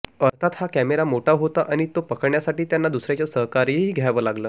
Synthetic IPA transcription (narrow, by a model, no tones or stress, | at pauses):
əɾt̪ʰat̪hakæmeɾamoʈʰaɦot̪aʔaɽ̃it̪opəkəɽɳjasaʈiːt̪janːad̪usɾjat͡ɕjasəɦkaɾiɦiːɡʱjaʋəːlaɡləː